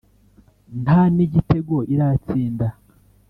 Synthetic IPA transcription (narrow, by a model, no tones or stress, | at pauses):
nhaniɟite̞ɡwo̞iɾat͡siːnda